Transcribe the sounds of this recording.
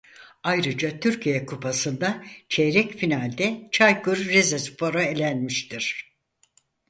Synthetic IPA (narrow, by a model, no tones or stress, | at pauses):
ajɾɯd͡ʒat̪ʰyɾcʰijɛkʰupʰasɯnd̪at͡ʃʰeɾɛcfinalʲd̪ɛt͡ʃʰajkuɾːezɛspʰoɾaelʲænmiʃt̪ʰiɾ̥